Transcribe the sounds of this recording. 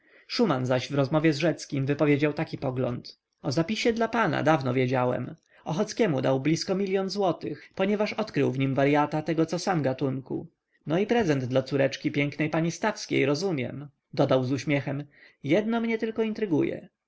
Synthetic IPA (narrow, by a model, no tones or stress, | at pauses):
ʂumanzaɕvɾɔzmɔvʲjɛzʐɛt̪skʲimvɘpɔvʲjed͡ʑawt̪akʲipɔɡlɔ̰nt̪ | ɔzapʲiɕɛd̪lapana̰d̪avnɔvʲjed͡ʑawɛ̰m | ɔxɔt̪skʲɛmud̪awblʲiskɔmʲilʲjɔnzwɔt̪ɘxpɔɲɛvaʂɔt̪kɾɘwvɲimvaɾjat̪at̪ɛɡɔt̪sɔsamɡat̪uŋkṵ | nɔipɾɛzɛnd̪d̪lat̪suɾɛt͡ʂkʲipʲjɛŋknɛjpaɲist̪afskʲḛjɾɔzumʲjɛ̰m | d̪ɔd̪awzuɕmʲjɛxɛm | jɛd̪nɔmɲɛt̪ɘlkɔint̪ɾɘɡṵjɛ̰